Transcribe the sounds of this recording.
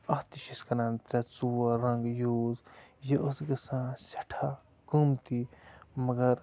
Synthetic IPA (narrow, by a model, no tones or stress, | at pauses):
ɐst̪iʃiskɐɾãːnt̪ɾʲɐt͡suːɐɾɐŋɡjoːzjiʔosɡɐsãːsʲɐ̥ʈʰa | kumt̪imɐɡɐɾ